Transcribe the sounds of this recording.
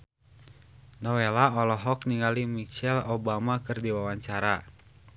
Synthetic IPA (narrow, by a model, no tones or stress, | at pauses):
nɔwelaɔlɔɦɔkniŋɡalimit͡ʃɛlobamakɨrdiwawaɲt͡ʃaɾa